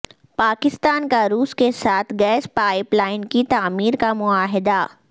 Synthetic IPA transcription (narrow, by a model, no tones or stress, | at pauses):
paːkɪst̪aːnkaɾuːskesaːt̪ʰɡɛːspaːɪplaːɪnkit̪aːmiːɾkamʊaːɦɪd̪a